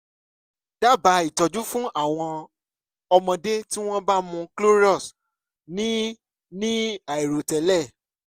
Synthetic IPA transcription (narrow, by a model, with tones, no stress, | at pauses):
d̥a˦˨ba˨˦i˦˨tɔ˨d͡ʒu˦fũ˦a˦˨w̃ɔ̃˧ | ɔ˧mɔ̃˧de˦ti˦w̃ɔ̃˦ba˦mũ˧klo˦ɾi˦ɔ˦˨s | nĩ˦ | nĩ˦a˨i˨ɾo˨tɛ˨˦lɛ˦˨